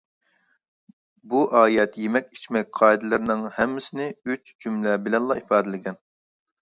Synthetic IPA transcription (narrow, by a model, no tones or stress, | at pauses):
buʔɑːjɛt̪jemɛkʲi̥t͡ʃmɛk̚ʲqʰɑːid̪ɨlˠɨɾɪnɪŋhɛmːɪsɪnɪyt͡ʃd͡ʒymlɛbɪlɛnlˠɑipʰɑːd̪ɪlɪɡʲɛn